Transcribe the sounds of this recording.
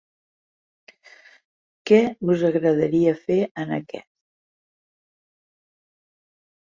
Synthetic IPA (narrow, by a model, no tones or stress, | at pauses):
kɛβuzəɣɾəðəɾiəfeənə̰kɛ̰t̪̚